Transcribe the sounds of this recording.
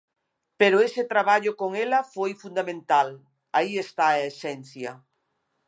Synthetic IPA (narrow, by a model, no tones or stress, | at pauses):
peɾoeset̪ɾaβ̞aʎokoŋelafojfund̪amẽnt̪al | aiest̪aesɛn̟θjɐ